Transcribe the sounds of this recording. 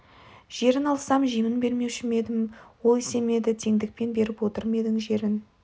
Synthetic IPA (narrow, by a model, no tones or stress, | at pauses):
ʒ̥e̞ɾɪnɑlˠsɑmʒijmənbe̞ɾme̞wʃɪme̞d̪ɪmwolˠise̞me̞d̪ɪt̪ʰe̞ŋd̪ɪk̚pe̞nbe̞ɾɪpwo̞t̪əɾme̞d̪ɪŋʒe̞ɾɪn